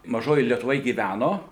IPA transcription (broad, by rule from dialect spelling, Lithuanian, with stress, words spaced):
mɐˈʒoːjoːj lʲiɛtʊˈʋoːj ɡʲiːˈʋʲænoː